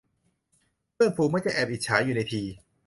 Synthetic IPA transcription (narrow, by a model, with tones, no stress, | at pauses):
pʰɯ˥˩əŋfʰuː˧maː˥˩k̚t͡ɕa˧˩ʔɛː˨˩p̚ʔi˨t̪̚t͡ɕʰaː˩˦˥juː˨˩na˧jt̪ʰiː˧